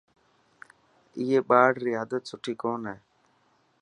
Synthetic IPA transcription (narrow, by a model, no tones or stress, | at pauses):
ɪjeːɓaːɽɾɪjaːd̪ət̪̚sʊʈʰiːkoːnɦɛː